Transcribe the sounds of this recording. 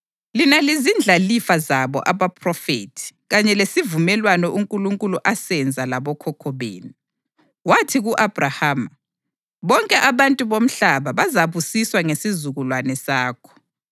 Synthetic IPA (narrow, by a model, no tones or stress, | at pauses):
linalizind͡ɮʱalifazaβɔ̰ʔaβapʰʼrɔfḛtʰi̥ɣaɲɛlesivumɛlwanɔʔuŋkʼuluŋkʼuluʔasɛnd͡zʱalaβɔkʰɔkʰɔβḛːni | watʰiɣuʔabʱrahaːma | βɔŋkʼɛʔaβantʼuβom̩ɬaβaβazaβusiswaŋesizuɣulwanɛsaːkʰɔ̥